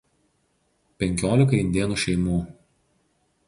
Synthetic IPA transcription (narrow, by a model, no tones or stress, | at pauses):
pʲɛŋʲkʲoːlʲɪk̬ɐɪnʲd̪ʲeːnuːʃʲɛɪmuː